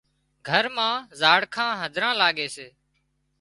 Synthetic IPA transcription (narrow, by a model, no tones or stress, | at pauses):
ɡʱəɾmãːzaːɽkʰãːɦəd̪ʱɾãːlaːɠeːseː